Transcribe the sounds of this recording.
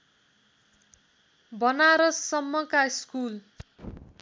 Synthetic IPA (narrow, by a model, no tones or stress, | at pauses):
bʌnaɾʌsːʌmːʌkaiskul